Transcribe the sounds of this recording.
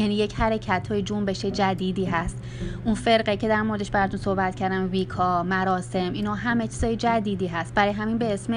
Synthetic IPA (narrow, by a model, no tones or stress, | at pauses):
jæniːje̞chæɾecʰæt̪ʰɒːjed͡ʒombe̞ʃed͡ʒæd̪iːd̪iːɦæst̪ | ʔunfe̞ɾɢecʰe̞d̪æɾmo̞ɾeeʃbæɾɒt̪unsohbæt̪̚cʰæɾd̪æmbiːkʰɒːɾmæɾɒːse̞minhɒːɦæmet͡ʃʰiz̥ɒːjed͡ʒæd̪iːd̪iːɦæst̪̚bæɾɒːjeɦæmiːnbeesme